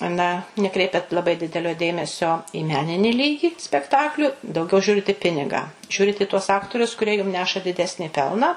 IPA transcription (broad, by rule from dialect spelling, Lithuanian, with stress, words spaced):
ˈnɐ nʲɛˈkrʲɛɪpʲɛt lˠɐˈbɐɪ ˈdʲɪdʲɛlʲoː ˈdʲeːmʲɛsʲoː iː ˈmʲæːnʲɪnʲɪ ˈlʲiːɡʲɪ sʲpʲɛkˈtɑːklʲuː dɐʊˈɡʲɛʊ ˈʒʲuːrʲɪt ɪ ˈpʲɪnʲɪɡɑː ˈʒʲuːrʲɪt ɪ tuɔs ˈɑːktoːrʲʊs kʊrʲiɛ jʊm ˈnʲæːʃɐ dʲɪˈdʲæːsʲnʲiː ˈpʲɛlˠnɑː